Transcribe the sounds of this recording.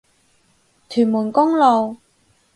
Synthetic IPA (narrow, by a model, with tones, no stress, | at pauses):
t̪ʰyː˨˩muː˨˩nkʊ˥ŋlo˨˩w